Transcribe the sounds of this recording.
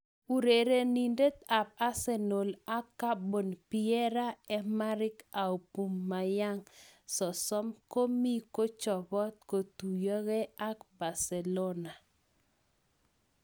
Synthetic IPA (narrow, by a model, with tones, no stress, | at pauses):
u˨ɾe˨ɾe˨ni˨nde˦t̪̚a˨p̚a˦se˦no˨la˦kːa˦bo˨npiɛ˦ɾa˦ɛ˦ma˦ɾɪ˦ka˨u˨pu˨mːa˨ja˦ŋsɔ˨sɔ˦mko˦mi˦ko˦t͡ʃɔ˨bɔ˦t̪̚ko˨t̪u˨jɔ˦ɡe˦a˦kba˨sɛ˨lo˦na˨